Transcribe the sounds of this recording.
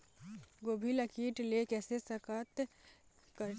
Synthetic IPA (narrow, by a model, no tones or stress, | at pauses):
ɡoːbʱiləkiːʈlekɛːsesəkət̪ | kəɾ